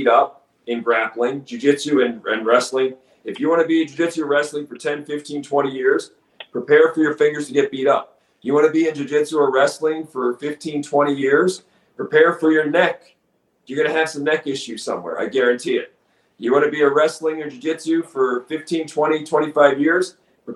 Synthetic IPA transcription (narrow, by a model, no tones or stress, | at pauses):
ɾʌp̚ | ɨ̃nɡɹæplˠɪ̃ŋd͡ʒɨd͡ʒɪtʉɨ̃nɨ̃nɹɛslɪ̃ŋ | ɨfjɨwɑ̃nɨbiɨ̃d͡ʒɨd͡ʒɪtʉəɹɛslˠɪ̃ŋfə˞tʰɛ̃nfɪftʰĩntʰw̥ɛ̃ɾ̃ijɪɹz̥ | pʰɹ̥ipʰɛɹfə˞jə˞fɪ̃ŋɡə˞z̥tʰɨɡɛt̚b̥iɾʌ̰p̚ | jɨwɑɾɨbiɨ̃nd͡ʒɨd͡ʒɪtuəɹɛslɪ̃ŋfə˞fɪftʰĩntʰw̥ɛ̃ɾ̃ijɪɹz̥ | pʰɹ̥ɨpʰɛɹfə˞jə˞nɛk | jə˞ɡʌnɨːv̥sʌ̃mnɛkɪʃʉz̥sʌ̰̃mwɛ̰ɹʔa̰ɪɡæɹɨ̃ntʰiɪ̰t̚ | jɨwɑnɨbiɨɹɛslɪ̃ŋɨ̃nd͡ʒɨd͡ʒɪtʉfə˞fɪftʰĩntʰw̥ɛ̃ɾ̃itʰw̥ɛ̃ɾ̃ifaɪvjɪɹz̥ | pʰɨ